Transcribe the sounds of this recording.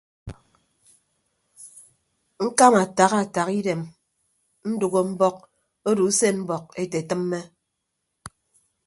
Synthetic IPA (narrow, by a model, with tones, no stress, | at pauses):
ŋ̩˦ka˦ma˨ta˨ɣa˦˨ta˨ɣi˦de˨m | n̩˦du˨ɣo˦m̩˦bɔ˦k̚ | o˦du˨˦se˦m̩˦bɔ˨k̚e˦te˨tɨ˦mːe˦